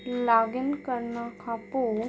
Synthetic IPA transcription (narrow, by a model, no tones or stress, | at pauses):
laːɡənkəɾnakʰapo